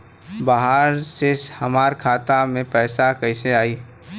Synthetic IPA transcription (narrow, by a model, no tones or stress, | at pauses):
baɦaɾsehɐmaːɾkʰaːt̪amẽpɛːsakəɪseaːiː